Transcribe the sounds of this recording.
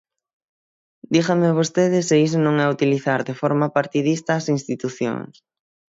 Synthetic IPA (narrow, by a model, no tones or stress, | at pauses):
d̪iɣammɪβ̞ost̪eðɪsɪis̬onõŋɛut̪iliθaɾðefɔɾmɐpaɾt̪iðist̪aːsinst̪it̪uθjo̰ŋs